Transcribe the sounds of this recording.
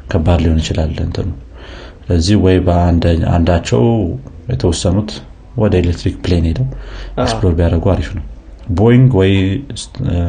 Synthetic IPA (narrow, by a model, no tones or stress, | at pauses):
kʰəbːad̪lihonɨt͡ʃɪlalːɨ̰nt̪ʰənəw | sɨləzːihwɔjbəand̪a̰nd̪at͡ʃːɛ̰wjɛt̪ʰəwɔsːənut̪ | wɔd̪əelekt̪ɾikplenelːəwksplo̞ɾbijaɾəɡuaɾifnəw | bojŋɡwɔjs